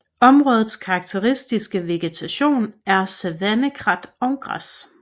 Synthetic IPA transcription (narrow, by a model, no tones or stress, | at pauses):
ɒ̽mʁɔ̽ːð̩ˠskʰɑ̈ːɡ̥̚t͡sʰeʁisd̥isɡ̥əʋe̝ɡ̥et͡sʰæɕo̝̰ːnæɐsæʋænəɡ̥ʰʁɑd̥ɒ̽ʊɡ̥ʁɑ̰s